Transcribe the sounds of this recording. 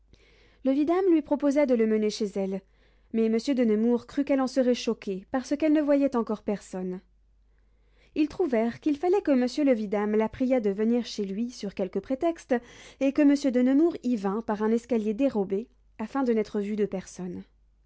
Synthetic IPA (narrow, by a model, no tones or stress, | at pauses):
ləvid̪amlɥipχɔpozad̪ələməneʃezɛl | mɛməsjød̪ənəmuʁkχykɛlɑ̃səʁɛʃɔkʲepaʁsəkɛlnəvwajɛt̪ɑ̃kɔʁpɛʁsɔn | ilt̪χuvɛʁkilfalɛkəməsjøləvid̪amlapχijad̪əvəniʁʃelɥisyʁkʲɛlkəpχet̪ɛkst̪ekəməsjød̪ənəmuʁivɛ̃paʁɛ̃nɛskaljed̪eʁɔbe | afɛ̃d̪ənɛt̪χəvyd̪əpɛʁsɔn